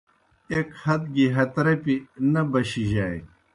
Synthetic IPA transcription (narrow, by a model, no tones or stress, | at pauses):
ekhɐt̪̚ɡiɦɐt̪ɾɐpinɐbɐɕiʑaːj̰